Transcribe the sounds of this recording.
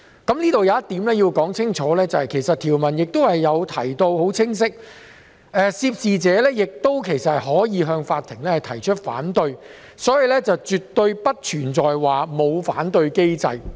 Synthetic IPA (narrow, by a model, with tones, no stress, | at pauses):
kɐ˨˥mniː˥t̪o˨wjɐ˨˧wjɐ˥t̪iː˨˥mlɛː˥jiː˧wkɔː˨˥ŋt͡sʰɪ˥ŋt͡ʃʰɔː˨˧˥lɛː˥t͡sɐ˨whɐ˨jkʰe˨˩jsɐ˨t̪ʰiː˨˩wmɐ˨˩njɪ˨k̚t̪o˥whɐ˨jːɐ˨˧wt̪ʰɐ˨˩jt̪o˧who˨˥wt͡sʰɪ˥ŋs̬ɪ˥k̚ | ɛː˨siː˧˥p̚siː˨t͡sɛː˨˥lɛː˥jɪ˨k̚t̪o˥wkʰe˨˩jsɐ˨t̚ɦɔː˨˥jiː˨˧ɦœː˧ŋfaː˧t̪ʰɪ˨˩ŋlɛː˥hɐ˨jt̪ʰɐ˨˩jt͡ʃʰɵ˥t̚fa̰ː˨˥nt̪ɵ˧ɥ | sɔː˨˥jiː˨˧lɛː˥t͡sɐ˨wt͡ʃy˨tt̪ːɵ˧ɥpɐ˥t̚t͡ʃʰyː˨˩nt͡sɔː˨jwaː˨˩mo˨˧wfaː˨˥nt̪ɵ˧ɥke˥jt͡sɐ̰˧j